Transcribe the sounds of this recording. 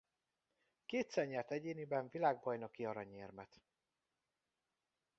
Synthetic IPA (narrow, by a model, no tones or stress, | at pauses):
keːt̪sɛrɲɛrt̪ɛɟeːnibɛɱvilaːɡ̚bɒjnokiɒɾɒɲeːrmɛt̪